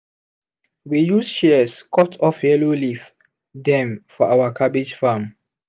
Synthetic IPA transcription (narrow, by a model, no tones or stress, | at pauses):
wijusʃɛskʰɔtʰɔfjɛlolif | dɛ̃mfɔʔawakʰabid͡ʒfam